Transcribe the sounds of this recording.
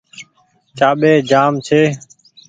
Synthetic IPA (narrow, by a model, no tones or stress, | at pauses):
t͡ʃaːɓeːd͡ʒaːmt͡ʃʰeː